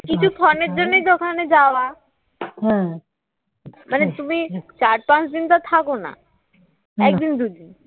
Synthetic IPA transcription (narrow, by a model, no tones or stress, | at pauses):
kit͡ɕʰukʰɔneɾd͡ʑonːejd̪ʱokʰaned͡ʑaoa | ɦ | manet̪umit͡ɕaɾpãt͡ɕd̪int̪at̪ʰakona̰ | ɛkd̪ind̪ujd̪in